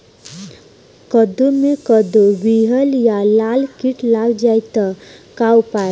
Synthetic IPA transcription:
kəd̪omekəd̪oʋiɦəljalalkiʈlawd͡ʒajt̪əkawpa

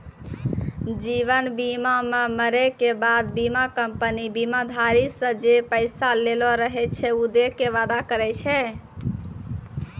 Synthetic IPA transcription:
d͡ʒiβənbimameməɾɛkebad̪̚bimakəmpənibimad̪ʱaɾisə̃d͡ʒepəɪsalelɔɾəɦɛt͡ʃʰɛud̪ekeʋad̪akəɾɛt͡ʃʰɛ

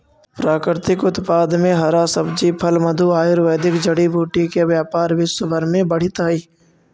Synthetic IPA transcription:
pɾaːkɾɾɪt̪ɪkʊt̪paːd̪mẽɦɐɾasəbd͡ʒipʰəlməd̪ʱuaːɪɾʋeːd̪ʱɪkd͡ʒəɽibʱuːʈikeʋjaːpaːɾʋɪswəbʱəɾmẽbəɽ̤it̪aːiː

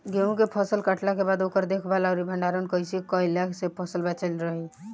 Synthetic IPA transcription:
ɡeũkepʰəsəlkəʈʰlakebad̪okəɾd̪ekʰbalaɾibʱəɳɖaɾənkəisikəilasepʰəsəlbɛt͡ʃəlɾəɦi

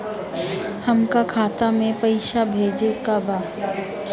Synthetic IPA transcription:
hɐmkakʰaːt̪amẽpɐɪʃabʱeːd͡ʒekabaː

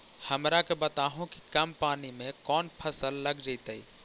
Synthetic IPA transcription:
hɐmɾakebɐt̪aːɦõki̥kɐmpaːnimẽkɔːnpʰɐsəlːɐɡd͡ʒait̪əiː

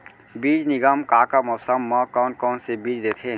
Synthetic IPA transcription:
biːd͡ʒnɪɡəmkaːkamɔːsəmːɔkɔːnkɔːnsebiːd͡ʒd̪eːt̪ʰe

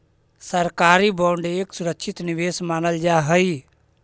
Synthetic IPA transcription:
səɾkaːɾibɔːɳɖeːksʊɾəkʃʰɪt̪nɪʋeːsmaːnəld͡ʒaːɦəi

